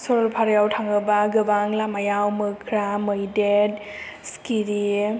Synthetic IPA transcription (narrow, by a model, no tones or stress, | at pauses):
sɔɾɔpʰaɾjawtʰaŋɯbaɡɯbaŋlamajawmɯkʰɾamɯjded | skiɾi